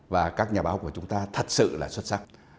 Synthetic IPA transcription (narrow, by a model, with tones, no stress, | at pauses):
vaː˨˩kaː˦˥k̚ɲaː˨˩ɓaː˨˦wku˧˩ət͡ɕʊ˨˦ŋ͡mt̪aː˧t̪ʰə˨˩t̚sɨ̰˧˨laː˨˩swə˦˥t̚sa˦˥k̚